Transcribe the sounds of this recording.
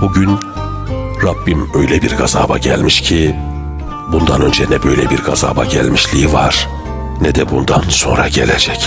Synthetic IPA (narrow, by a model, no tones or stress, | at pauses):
buɟyn | ɾabːimø̞jlʲɛbiɾɡaza̰ːba̰ɟælʲmiʃcʰi | bund̪anø̞nd͡ʒɛnɛbø̞jlʲɛbiɾɡaza̰ːbaɟælʲmiʃlʲiivaɾ̥ | nɛd̪ɛbund̪anso̞̰nɾaɟelḛd͡ʒɛc